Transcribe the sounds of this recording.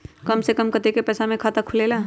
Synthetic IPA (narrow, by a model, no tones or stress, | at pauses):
kɐmsekɐmkɐt̪ekepɛːsamẽkʰaːt̪akʰʊleːlaː